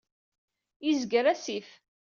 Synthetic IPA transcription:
izɡəɾæsif

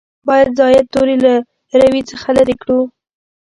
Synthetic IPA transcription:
bɑjad̪zɑjad̪̚t̪oɾila | ɾawit͡səxalaɾikɽu

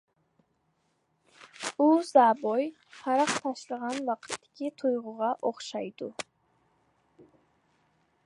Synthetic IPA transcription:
uzabɔj | haɾaqt̪ʰaʃləʁanvaqt̪ʰi̥kʲʰit̪ʰujʁuʁɑʔɔχʃajd̪u

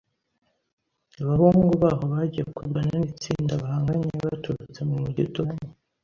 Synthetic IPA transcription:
aβahuːŋŋɡuβaβoβaɟijekuɾɡananit͡siːndaβahaːŋɡaɲeβatuɾut͡se̞mumuɟitoɲe

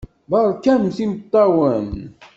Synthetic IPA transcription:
bɑɾˤkænmθimt̪ˤːɑwən

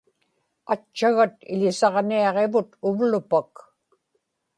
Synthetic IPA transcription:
at͡ʃːaɣat̪ɪ̰ʎɪsɑʁniɑʁe̞vʊt̪ʊvlʊpak

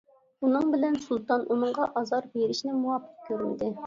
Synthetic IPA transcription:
unɨŋbɪlɛnsulˠt̪ɑnʔunɨɴʁɑʔɑzɑɾbeɾɪʃnɪmuwɑpʰːɨ̥t̚kʲʰøɾynd̪ɪ

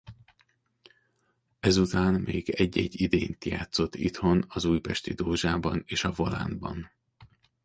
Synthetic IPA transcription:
ɛzut̪aːnmeːɡɛɟːɛɟːid̪eːnt̪ja̰ːt̪so̞t̪ːit̪ho̞nɒzuːjpɛʃt̪id̪oːʒaːbɒneːʃɒvola̰ːnbɒn

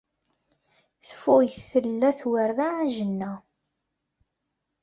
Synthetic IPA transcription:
θəfʊjθθəlːæθwəɾðaʕaʒənːæ

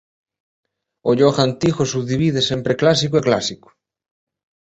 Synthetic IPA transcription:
oʎoxant̪ixosuβðiβið̞esempɾeklas̬ikoeklasiko̥

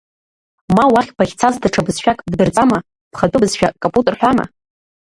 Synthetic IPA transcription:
mawaχʲpʰaχʲt͡sʰazdaʈ͡ʂʰabɨzʃᶣakʼdbɨrt͡sʼama | pχadʼʊbɨzʃᶣakʼompʼutʼɨrħʷᶣama̰

